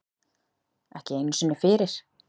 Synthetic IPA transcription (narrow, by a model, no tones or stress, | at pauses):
ɛhcɪejnsʏnːʏfɪːɾɪɾ̥